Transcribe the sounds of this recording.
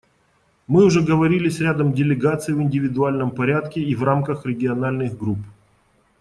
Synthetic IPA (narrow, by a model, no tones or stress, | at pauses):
mɨʊʐɛɡəvɐɾʲilʲɪsʲɾʲad̪əmdʲɪlʲɪɡat̪sɨjvɨnʲdʲɪvʲɪd̪ʊalʲnəmpɐɾʲat̪kʲɪivramkəxɾʲɪɡʲɪɐnalʲnɨxɡɾup